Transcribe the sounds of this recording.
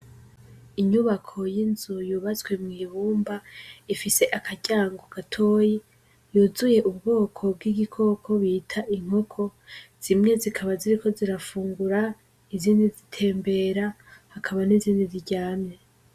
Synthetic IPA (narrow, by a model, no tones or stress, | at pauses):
iɲuβakʰo̞jinzujuβazwe̞mŋiːβuːmbaifise̞ʔakʰaɟaːŋɡokatʰo̞ːji | juːzuje̞ʔubɡo̞ːkʰo̞b̚ɡiɡikʰo̞ːkʰo̞βitʰaʔiŋ̥ho̞kʰo̞z̥imŋe̞zikʰaβaziɾikʰo̞ziɾafuːŋɡuɾa | iziːndizitʰe̞ːmbe̞ɾa | hakʰaβaniziːndiziɟaːme